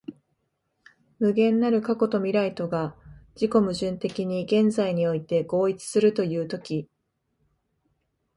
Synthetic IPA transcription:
mɯ̟ɡẽ̞nːaɾɯ̟kako̞t̪o̞mʲiɾait̪o̞ɡad͡ʑiko̞mɯ̟ʑɨ̃nt̪e̞kʲiɲ̟iɡẽ̞nd͡zaiɲ̟io̞it̪e̞ɡo̞ːit͡sɨ̥sɨɾɯ̟t̪o̞jɯ̟ːt̪o̞kʲi

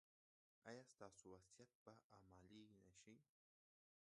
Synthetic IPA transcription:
ajast̪asuwasjat̪̚paamaʎijnaʃij

